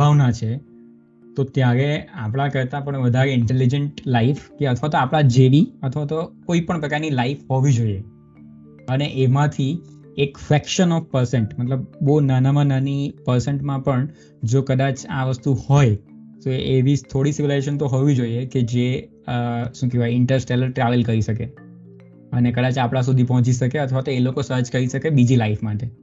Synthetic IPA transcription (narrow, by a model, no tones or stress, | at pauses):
bʱaʋnat͡ʃʰe | t̪ot̪jãɾeapɽ̃akəɾt̪ãpəɳʋəd̪ʱaɾeɪɳʈelid͡ʒəɳʈlaifkeət̪ʰʋat̪oapɭad͡ʒeʋiət̪ʰʋat̪okoipəɳpɾəkaɾnilaifɦoʋid͡ʒoie | əneʔemãt̪ʰi | ekfɾɛkʃənɔfpəɾseɳʈmət̪ləb̚bonanamãnanipəɾseɳʈmãpəɳ | d͡ʒokəd̪ãt͡ʃãʋəst̪uhɔjt̪oʔeʋit̪ʰoɽisɪʋilajd͡ʒeʃ̬ənt̪oɦoʋid͡ʒoieked͡ʒe | ʃũkeʋajɪɳʈəɾsʈeləɾʈɾaʋəlkəɾiʃəke | ənekəd̪at͡ʃapɽ̃ãs̬ud̪ʱip̬əɦɔ̃t͡ʃiʃəkeət̪ʰʋat̪oelokosəɾd͡ʒkəɾiʃəkebid͡ʒilaifmãʈe